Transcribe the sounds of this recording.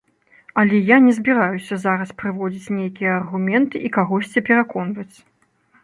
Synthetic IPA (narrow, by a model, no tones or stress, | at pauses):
ɐlʲɛjanʲɛzʲbʲiɾajusʲɐzaɾɐspɾɨvɔd͡zʲit͡sʲnʲejkʲijɐːrɣumʲɛnt̪ɨʔikaɣɔsʲt͡sʲipʲɛɾakɔnvɐt͡sʲ